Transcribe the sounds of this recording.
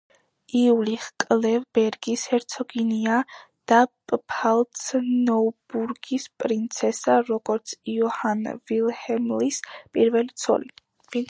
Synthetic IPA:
iuliχkʼlɛvbɛɾɡishɛɾt̪sʰɔɡinia | d̪̥apʼpʰalˠt̪snɔbuɾɡispʼɾint̪sʰɛsaɾɔɡ̥ɔɾt̪sʰiɔhanvilˠhɛmlispʼiɾvɛlit̪sʰɔ̰li | vi

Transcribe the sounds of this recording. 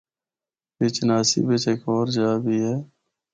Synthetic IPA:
bɪt͡ʃnaːsḭːbɪt͡ʃekoːɾd͡ʒaːbʱiːɦɛː

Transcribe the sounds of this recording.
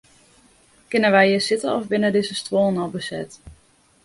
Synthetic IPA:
kɪnənʋɛjəsɪtənɔvbɪnədɪzəstʋoːnɔlˠbəsɛt

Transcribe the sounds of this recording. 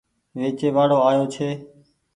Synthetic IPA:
ʋeːt͡ʃeːʋaːɽoːaːjoːt͡ʃʰeː

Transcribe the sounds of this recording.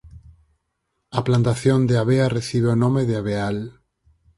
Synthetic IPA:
aplant̪aθjond̪eaβeareθiβ̞eonomeðeaβ̞eal

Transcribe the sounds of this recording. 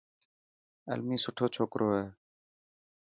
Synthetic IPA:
ə̰lmiːsʊʈʰoːt͡ʃʰoːkɾʔoːɦɛː

